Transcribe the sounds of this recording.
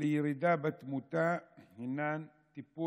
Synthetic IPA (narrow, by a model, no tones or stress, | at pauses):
liɾid̪aːbat̪mut̪aːhinːaːn | t̪ipːu